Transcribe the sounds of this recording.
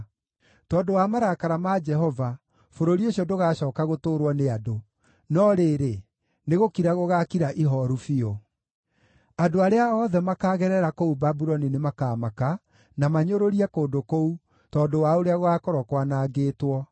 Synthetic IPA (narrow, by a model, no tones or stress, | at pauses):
tɔːndowamaɾakaɾamad͡ʒɛɦɔva | foɾoɾioɕiɔdoɣaɕɔːkaɣotoːɾwɔneado | nɔɾeɾe | neɣokiɾaɣoɣakiɾaʔiɦɔɾufio | adoaɾeaɔðɛmakaːɣɛɾɛɾakoubabuɾɔninemakaːmaka | namaɲoɾoɾiɛkoːndokou | tɔːdowaoɾeaɣoakɔɾɔkwanaːɡeːtwɔ